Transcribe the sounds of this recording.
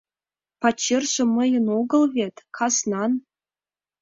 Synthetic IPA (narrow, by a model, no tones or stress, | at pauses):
pɑt͡ɕːerʒɤ̆mɤ̆jɤ̆noɡɤ̆lˠβʲet̪kʰɑznɑn